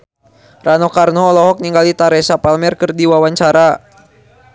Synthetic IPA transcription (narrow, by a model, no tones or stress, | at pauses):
ranɔkarnɔːlɔɦɔk̚niŋɡalit̪aɾɛsapalmɛrkɨrdiwawaɲt͡ʃaɾa